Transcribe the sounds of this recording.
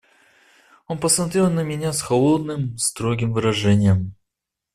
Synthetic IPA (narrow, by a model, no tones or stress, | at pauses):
o̞npəsmɐt̪ɾʲe̞lˠnəmʲɪnʲasxɐlˠo̞d̪nɨmst̪ɾoɡʲɪmvɨɾɐʐɛnʲɪjəm